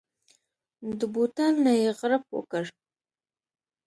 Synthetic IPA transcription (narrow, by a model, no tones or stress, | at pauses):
d̪əbut̪alnajeɣɾap̚wə̰kəɽ